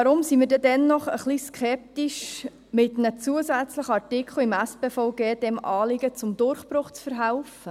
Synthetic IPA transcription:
ɑɾʊmsimiːɾdɛdɛnːɔχə̰χliskχɛp̚t̪iʃ | mɪtnət͡suəsæt͡sləχəɑɾtɪkχl̩ˠɪmæspeːfɔʊɡɛːd̥ɛmʔɑːlɪɡət͡sʊmd̥̪ʊrχb̥ɾʊχt͡sfəɾɦaʊfə

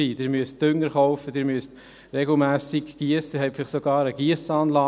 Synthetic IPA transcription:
iːd̥ɪːɾmyəst̚d̥ʏŋːəɾχɔʊfədɪːɾmyəst | ɾɛɡl̩mæːsikɡ̥iəsd̥ɪɾɦɛɪfɪlɪχsoɡɑːɾəɡ̥iəsɑːnlɑː

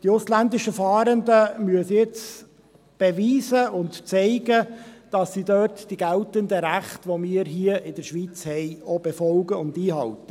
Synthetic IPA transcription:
d̥iʊslændɪʃəfɑːɾəndəmyəsjɪt͡s | b̥ɛviːzəʊntt͡sɛɪɡəd̥ɑsːidøːtd̥iɡ̥æltəndəɾæχtʋɔmiːɾɦiəɪdəɾʃʋiːt͡shɛjɔbɛfɔlɡəʊndiːɦɑltə̥

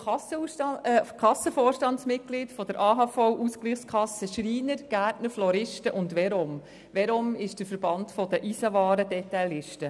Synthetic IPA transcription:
kʰɑsːəfɔːɾʃtɑnsmɪt̚ɡ̥lɪtfɔdəɾʔɑːɦɑfɔwʔuskliːχskʰχɑsəʃɾiːnəɾɡ̥æːɾtnəɾflɔɾɪʃtəʔʊndʋɛɾʊm | ʋɛɾʊmɪʃd̥əfəɾb̥ɑntfɔd̥əʔisɑvɑːɾəd̥ɛtaɪlɪʃtə

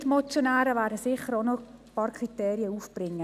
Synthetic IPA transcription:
tmɔt͡sjonæːɾəvæːdəsɪχəɾonopɑːɾkʰriteːɾiəuːfb̥rɪŋːə

